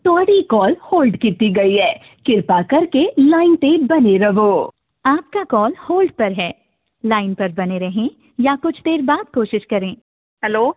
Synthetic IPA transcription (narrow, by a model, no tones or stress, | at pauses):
t̪ɔːɽikɔːlhoːlɖkiːt̪iɡɐiɦɛː | kɪɾpakɐɾkelaːɪnt̪ebɐneɾɐʋoː | aːp̚kakɔːlhoːlɖpɐɾɦɛː | laːɪnpɐɾbɐneɾɐɦẽ | jakʊt͡ʃʰt̪eːɾbaːd̪̚koːʃɪʃkɐɾẽː | hɛloː